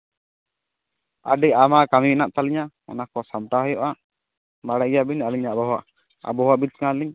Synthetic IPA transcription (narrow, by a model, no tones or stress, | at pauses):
a̰ɖɛʔamakaminaʔt̪aliɲa | ɔ̰nakɔsamt̪aɦɔjɔʔa | maɽajabiɲaliɲaʔbɔɦaʔ | a̰bɔɦaʔbit̪̚kãliɲ